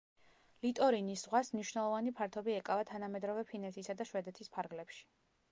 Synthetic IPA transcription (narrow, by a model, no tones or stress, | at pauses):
lit̪ʼɔɾiniszʁwasmniʃwnɛlˠɔvanipʰaɾt̪ʰɔbiɛkʼavat̪ʰanamɛd̪ɾɔvɛpʰinɛt̪ʰisad̪aʃwɛd̪ɛt̪ʰispʰaɾɡlɛpʃi̥